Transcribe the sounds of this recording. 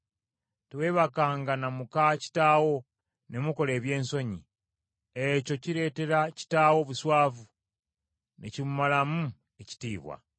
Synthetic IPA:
twe̞ːβakaːŋɡanamukaci̥taːwo̞ | ne̞muko̞le̞ːβje̞ːnso̞ɲḭ | eco̞ciɾe̞te̞ɾaci̥taːwo̞βuswaːvu | nḛcimumalamu | eci̥tiːβwa̰

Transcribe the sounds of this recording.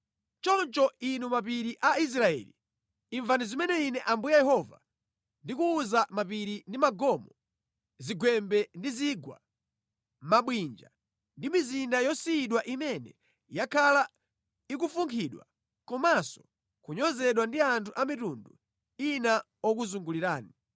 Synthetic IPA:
t͡ʃɔnt͡ʃɔinumap̬iɾiʔais̬ɾaɛ̰lḭː | ɱvanizimɛnɛinɛʔambujajɛhɔva̰ | ndikuːzamapiɾindimaɡɔmɔ | ziɡwɛmbɛndiziɡwa̰ | maɓwind͡ʒa̰ | ndimizindajɔsiiɗwaʔimɛnɛ̰ | jakʰala | ik̬ufuŋkʰiɗwa̰ | kɔmasɔ̥ | kuɲɔzɛɗwandiantʰuʔamitundṵ | ina | ɔk̬uzuŋɡuliɾaːni

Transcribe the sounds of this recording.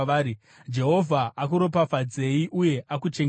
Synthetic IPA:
aːɾi | d͡ʒe̞ɦo̞vʱaʔak̬uɾo̞pafad͡ze̞iʔuje̞ʔakut͡ʃeŋ

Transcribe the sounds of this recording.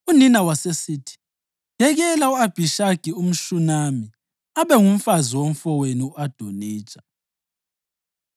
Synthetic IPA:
uninawasesiːtʰi̥ | d̥ʱɛɣɛlauab̥ʱiʃaɡ̥ʱium̩ʃunami | aβɛŋum̩faziwom̩fɔweniuad̥ʱoniːt͡ʃʼḁ

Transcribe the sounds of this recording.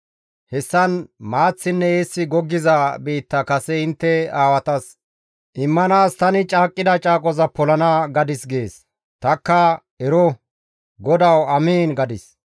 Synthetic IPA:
hɛsːɐnmaːt͡sːɪnːɛeːsːɪɡɔɡːɪzɐbiːt̪ːɐkɐsɛɪnt̪ːɛaːwɐt̪ɐs | ʔɪmːɐnaːst̪ɐnɪt͡ʃʼaːkʼːɪd̪ɐt͡ʃʼaːkʼɔzɐpɔlɐnɐɡɐd̪ɪsɡe̞ːs | t̪ɐkːɐ | ɛɾɔ | ɡɔd̪ɐwɐmeːnɡɐd̪ɪs

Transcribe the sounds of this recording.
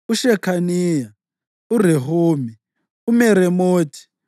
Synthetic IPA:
uʃɛkʰaniːja | ureɦoːmi | umɛɾɛmoːtʰi̥

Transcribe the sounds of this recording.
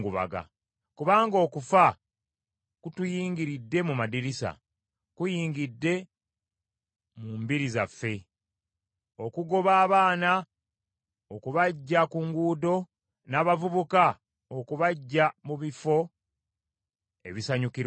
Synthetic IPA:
ɡuβa̰ɡa̰ | kuβaːŋɡo̞ːkufa | kutujiːŋɡiɾidːe̞mumadiɾisa̰ | kujiːŋɡidːe̞ | mumbiɾizafːe̞ | o̞kuɡo̞βaːβaːna | okuβaɟːakuŋɡuːdo̞ | naːβavuβuka | okuβaɟːamuβifo̞ | e̞̰βisaɲukiɾ

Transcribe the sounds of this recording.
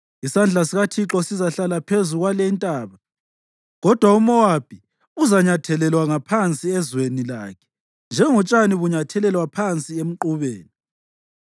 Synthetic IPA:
isand͡ɮʱasiɣatʰiǁɔsizaɬalapʰezuɣwalɛintʼaːβa | ɣɔd̥ʱwaumɔwab̥ʱi | uzaɲatʰɛlɛlwaŋapʰant͡sʼiɛzwenila̰ːkʰɛ̥ | nd͡ʒʱɛŋɔt͡ʃʼaniβuɲatʰɛlɛlwapʰant͡sʼiem̩ǃuβeːni

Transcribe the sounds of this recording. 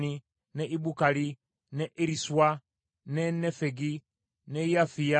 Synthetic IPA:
ni | nɛʔiɓukali | nɛʔeɾiswa | nɛnɛfɛɡi | nɛjafia

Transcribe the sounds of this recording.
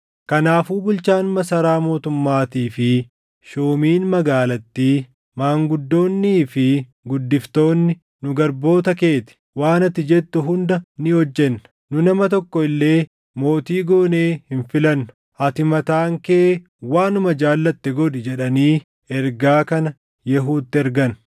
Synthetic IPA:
kɐnaːfuːbʊlt͡ʃaːnmɐsɐɾaːmo̞ːt̪ʊmːaːt̪iːfɪ | ʃoːmiːnmɐɡaːlɐt̪ːiː | maːŋɡʊd̪ːo̞ːnːiːfɪ | ɡʊd̪ːɪft̪o̞ːnːɪ | nʊɡɐɾbo̞ːt̪ɐke̞ːt̪ɪ̥ | waːnɐt̪ːɪd͡ʒɛt̪ːʊɦʊnd̪ɐnɪɔd͡ʒːɛnːɐ̥ | nʊnɐmɐt̪ɔkːɔɪlːe̞ː | mo̞ːt̪iːɡo̞ːne̞ːhɪnfɪlɐnːʊ̥ | ʔɐt̪ɪmɐt̪aːŋkeː | waːnʊmɐd͡ʒaːlːɐt̪ːɛɡɔᶑɪd͡ʒɛᶑɐniː | ɛɾɡaːkɐnɐ | jɛɦuːt̪ːɪɛɾɡɐn

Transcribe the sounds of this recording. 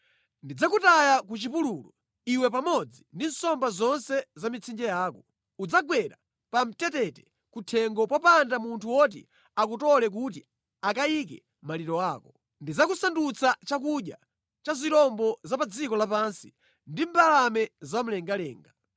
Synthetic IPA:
ndid͡zakutajakut͡ʃipululɔ | iwɛp̬amɔd͡zindin̩sɔmbazɔnsɛzamit͡sʰind͡ʒɛjaːkɔ | ud͡zaɡwɛɾa | pam̩tɛtɛtɛ̥ | kutʰɛŋɡɔpwapandamuntʰuwɔt̬ḭ | akutɔlɛk̬ut̬i | akaik̬ɛ̰ | maliɾɔaːkɔ | ndid͡zakusandut͡sʰat͡ʃak̬uɗja̰ | t͡ʃaziɾɔmbɔzapad͡zikɔlapansi̥ | ndimbalamɛzam̩lɛŋɡalɛːŋɡa

